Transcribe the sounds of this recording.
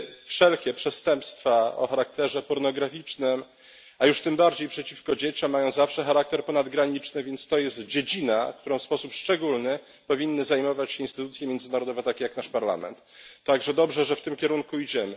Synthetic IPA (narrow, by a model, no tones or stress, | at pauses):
fʂɛlkʲɛpʂɛst̪ɛmpst̪faɔ̰xaɾak̚t̪ɛʐɛpɔɾnɔɡɾafʲit͡ʂnɘm | ajuʂt̪ɘmbaɾd͡ʑejpʂɛt͡ɕifkɔd͡ʑet͡ɕɔ̃mːajɔ̃w̃zafʂɛxaɾak̚t̪ɛɾpɔnad̪ɡɾaɲit͡ʂnɘvʲjɛnt̪st̪ɔjɛst̪d͡ʑed͡ʑinak̚t̪uɾɔ̃w̃fspɔsupʂt͡ʂɛɡulnɘ | pɔvʲinːɘzajmɔvat͡ɕɕɛinst̪ɘt̪ut̪sʲjɛmʲjɛnd̪zɘnaɾɔd̪ɔvɛt̪akʲɛjaknaʂpaɾla̰mɛ̰nt̪ːaɡʐɛd̪ɔbʐɛʐɛft̪ɘmkʲɛɾuŋkuid͡ʑɛmɘ